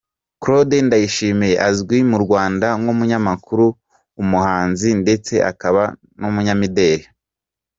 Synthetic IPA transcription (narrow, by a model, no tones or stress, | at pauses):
kɾo̞dendajiʃiːmijeʔazɡwimuɾɡwaːndaŋumuɲamakuɾuː | muhaːnzinde̞t͡se̞ʔa̰kaβa | numuɲamide̞ːhe